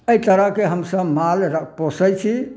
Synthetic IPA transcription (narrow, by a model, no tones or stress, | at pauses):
əit̪əɾəɦkeɦəmsəbmalɾək̚ʰposət͡ʃʰi